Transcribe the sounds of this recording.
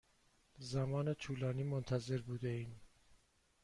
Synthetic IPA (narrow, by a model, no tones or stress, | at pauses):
zæmɒːnet̪ʰuːlɒːniːmont̪ʰæze̞ɾbuːd̪eiːn